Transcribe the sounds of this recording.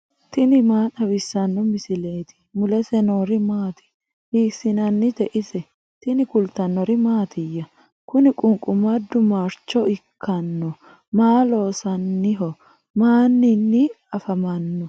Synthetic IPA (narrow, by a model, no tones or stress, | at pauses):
t̪ɪnɪmaːɗɐwɪsːɐnːɔmɪsɪleːt̪ɪ̥mʊlɛsɛnoːɾɪmaːt̪ɪ̥ | hiːsɪnɐnːɪt̪ɛʔɪsɛ | t̪ɪnɪkʊlt̪ːɐnːɔɾɪmaːt̪ɪjːɐ | kʊnɪkʼʊŋkʼʊmɐd̪ːʊmaɾt͡ʃːɔɪkʰːɐnːɔ | maːlo̞ːsɐnːɪɦɔ | maːnːɪnːɪ | ɐfɐmɐnːɔ